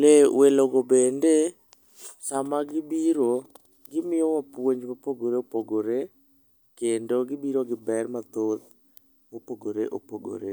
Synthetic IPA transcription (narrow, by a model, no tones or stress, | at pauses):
leweloɡobende | samaɡɪbiɾo | ɡɪmɪjɔwapwoɲd͡ʒmapoɡoɾeopoɡoɾe | kendoɡɪbiɾoɡɪbɛrmat̪ot̪̚ | mopoɡoɾeʔopoɡo̰ɾe